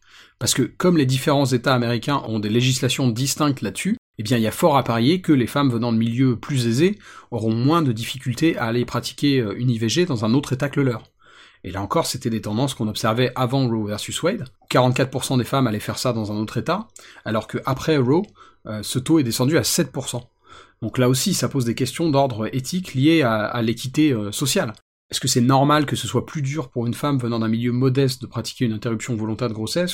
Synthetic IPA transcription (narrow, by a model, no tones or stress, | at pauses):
paʁsə̥kəkɔmled̪ifeʁɑ̃zet̪aːmeʁikʲɛ̃ʔɔ̃d̪eleʒislasjɔ̃d̪ist̪ɛ̃k̚t̪lad̪sy | ebjɛ̃ilafɔʁapaʁejekəlefamvənɑ̃d̪əmiljøplyzezeɔʁɔ̃mwɛ̃d̪əd̪ifikʲylt̪eaːlepχat̪i̥kʲeøyniveʒed̪ɑ̃zɛ̃not̪χet̪akləlœːʁ | ḛlaɑ̃kɔʁset̪ɛd̪et̪ɑ̃d̪ɑ̃skɔ̃nɔpsɛʁvɛʔavɑ̃ʁovɛʁsyswɛd̪kaʁɑ̃t̪̚kat̪χpuʁsɑ̃d̪efamalɛfɛʁsad̪ɑ̃zɛ̃not̪χet̪aalɔʁkəʔapχɛʁo | øsət̪oɛd̪esɑ̃d̪yasɛt̪̚puʁsɑ̃ | d̪̥ɔ̃klaosisapozd̪ekʲɛst̪jɔ̃d̪ɔʁd̪ʁʔet̪ʰiklijeaa̰lekʲit̪eøsɔsjal | ɛskəsɛnɔʁmalkəsəswaplyd̪yʁpuʁynfamvənɑ̃d̪ɛ̃miljømɔd̪ɛs̬t̪̚d̪əpχat̪i̥kʲeynɛ̃t̪eʁypsjɔ̃vɔlɔ̃t̪ɛʁd̪əɡʁosɛs